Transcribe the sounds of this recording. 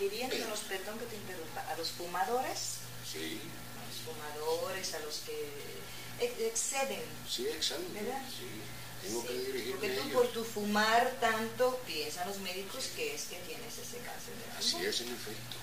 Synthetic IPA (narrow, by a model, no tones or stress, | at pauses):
biβjend̪osenospeɾðoŋket̪enpeɾɣup̪aʔalosfumaðo̞ɾes | sḭ | a̰losfumaðoɾesaloske | eekseðeŋ | sieksambeɾðasi | t̪esŋɡoeðiɾoɾket̪upoɾt̪ufumaɾt̪ant̪opjensaozmeðikoskeesket̪jeneseseka̰nθeɾðela̰msiesenefek̚t̪o